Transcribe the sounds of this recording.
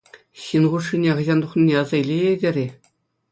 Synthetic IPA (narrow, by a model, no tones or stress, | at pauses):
ɕinʁuʂːinʲeχɤ̆ʑɑnd̪uχnʲinʲeɑzɑilʲejedʲerʲe